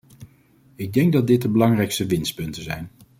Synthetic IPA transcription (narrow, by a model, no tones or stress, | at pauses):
ɪɡ̚dɛŋɡ̚dɑd̚dɪt̚dəbəlɑŋrɛjkstəʋɪnst̚pɵntəzɛjn